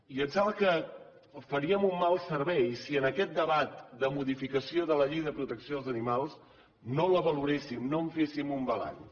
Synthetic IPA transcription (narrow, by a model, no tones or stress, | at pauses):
iənzalˠkə | fəɾiəmumːalˠsəɾβɛjsiənəkɛt̪̚d̪əβat̪̚d̪əmuðifikəsioðələʎejðəpɾut̪əksijoəlˠzənimalˠs | noləβəluɾesimnoɱfesimumbəla̰n